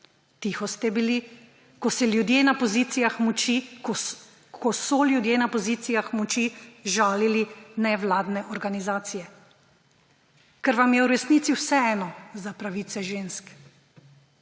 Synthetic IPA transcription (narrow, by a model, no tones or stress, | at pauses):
t̪ixɔst̪ɛbili | kɔsɛljud̪jeːnapɔzit̪ijaxmɔt͡ʃi | kʰɔsɔljud̪jeːnapɔzit̪sijaxmɔt͡ʃiʒaːlilinɛʋlaːd̪nɛʔɔɾɡanizaːt̪sijɛ | kɛɾʋamjɛwɾɛsniːt̪siwsɛɛːnɔzapɾaʋiːt̪sɛʒeːnsk